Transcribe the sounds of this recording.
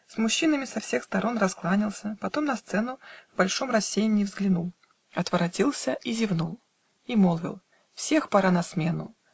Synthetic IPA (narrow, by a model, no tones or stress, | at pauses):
smʊɕːinəmʲɪsɐfsʲe̞xst̪ɐɾʔo̞nrɐsklˠanʲɪlˠsʲəpɐt̪o̞mnɐst̪sɛnʊvbɐlʲʂomrɐsʲːejnʲɪːvzɡlʲɪnulˠ | ɐt̪vəɾɐdʲilˠsʲəʔizʲɪvnulˠ | imolˠvʲɪ̰lˠ | fsʲe̞xpɐɾanɐsmʲe̞nʊ̰